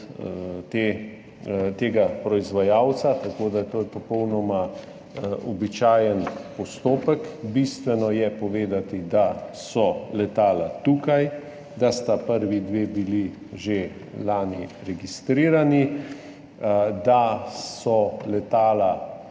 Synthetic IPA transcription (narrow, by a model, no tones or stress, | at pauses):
t̪e | t̪eːɡapɾɔizʋajaːwt̪sat̪akod̪ajɛt̪oːjɛpɔpɔwnɔma | ɔbit͡ʃaːjənpɔst̪oːpəkbist̪ʋɛnɔjɛpɔʋeːd̪at̪id̪asɔlɛt̪aːlat̪uːkaj | d̪ast̪apəɾʋid̪ʋeːbili | ʒe | laːniɾɛɡist̪ɾiːɾani | d̪asɔlɛt̪aːla